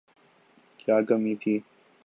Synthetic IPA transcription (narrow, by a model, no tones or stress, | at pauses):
kjaːkəmiːt̪ʰiː